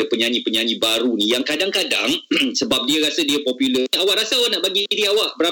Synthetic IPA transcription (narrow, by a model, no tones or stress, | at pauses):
dəpəɲaɲĩpəɲaɲibaɾunijaŋkadaŋkada̰ŋsəbap̚diaɾasadiapɔpiləawaʔɾasaanaʔbaɡidiawaʔbəɾa